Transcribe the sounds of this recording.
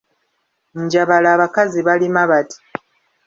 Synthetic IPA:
ɲɟaβalaːβakaziβalimaβati̥

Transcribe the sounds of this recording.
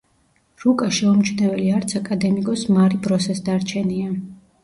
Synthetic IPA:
ɾukʼaʃɛumt͡ʃʰvnɛvɛliaɾt̪sʰakʼad̪ɛmikʼɔsmaɾibɾɔsɛsd̪aɾt͡ʃʰɛnia

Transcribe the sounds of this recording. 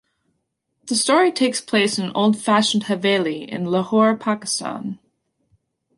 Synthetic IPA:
ðəstɔɹitʰeɪkspʰl̥eɪsɨ̃no̰ʊlˠd̥fæʃn̩dhəveɪlˠiɪ̰̃nləhɔɹpʰakɨ̥stã̰n

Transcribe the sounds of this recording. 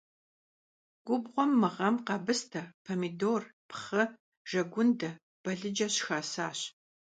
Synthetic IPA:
ɡ̥ʷʊbʁʷɔmːɨʁɐmqɑbɨstʰɐpʰɐmidoːrpχɐ | ʒ̥ɐɡʷʊndɐ | b̥ɐɮɨd͡ʒɐɕxaːsaːɕ

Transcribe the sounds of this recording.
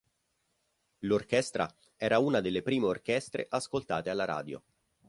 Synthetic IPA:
lork̟ɛst̪ɾa̰ | ɛːɾauːnad̪elːepɾiːmeork̟ɛst̪ɾḛʔaskolt̪aːt̪ealːaɾa̰ːd̪jo̰

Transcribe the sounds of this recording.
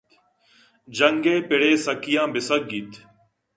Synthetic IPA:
d͡ʒəŋɡeːpɪɽeːsəkɪjãːbɪsək̚ɡit̪

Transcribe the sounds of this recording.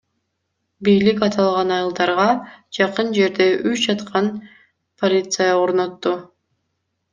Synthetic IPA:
bijlikɑt̪ʰɑlˠʁɑnɑjɯlˠd̪ɑɾʁɑd͡ʒɑqɯnd͡ʒe̞ɾd̪e̞ʔyt͡ʃd͡ʒɑt̪qʰɑn | pʰolʲit̪sɨjao̞ɾno̞t̪ːu

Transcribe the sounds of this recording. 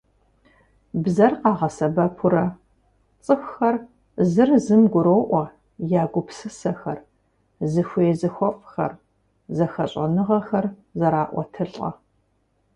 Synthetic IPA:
bzɐrqɑːʁɐsɐbɐpʰʊɾɐ | t͡sʼɨxʷxɐr | zɨrzɨmɡʷʊɾoːʔʷɐ | jaːɡʷʊpsɨsɐxɐr | zɨxʷeːzɨxʷɔfʼxɐ̰r | zɐxɐɕʼɐnɨʁɐxɐrzɐɾaːʔʷɔ̰tʰɨɬʼɐ̰

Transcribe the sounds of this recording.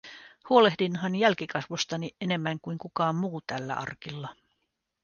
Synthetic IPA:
huo̞le̞hdinɦɑnjælkikɑsʋost̪ɑniene̞mːæŋkuiŋkukɑːmmuːt̪ælːæ̰ʔɑ̰rkilːɑ

